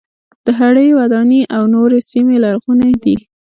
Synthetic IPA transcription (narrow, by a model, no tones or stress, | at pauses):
d̪̥əɦaɽəjwad̪ɑniʔawnoɾesimelaɾɣunad̪i